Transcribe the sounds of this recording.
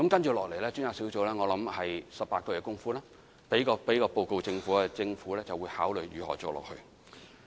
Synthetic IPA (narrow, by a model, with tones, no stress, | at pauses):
kɐ˧˥mkɐ˥nt͡ʃyː˨˩lɔː˨kle˨˩jlɛː˥t͡ʃyː˥njaː˨˧wsi˨˥wt͡so˨˥wlɛː˥ŋɔː˨˧lɐ˨˧˥mhɐ˨jsɐ˨p̚paː˧t̚kɔ˧kɛː˧kʊ˥ŋfuː˥laː˥ | pe˨˥jkɔː˧pe˨˥jkɔː˧po˨wko˨˧wt͡sɪ˧ŋfuː˨˥a˧t͡sɪ˧ŋfuː˨˥lɛː˥t͡sɐ˨wuː˨˧jhaː˨˥wlɵ˨ɥjyː˨˩hɔ̰ː˨˩t͡sɔː˨˩lɔ̰˨k̚hɵ˧ɥ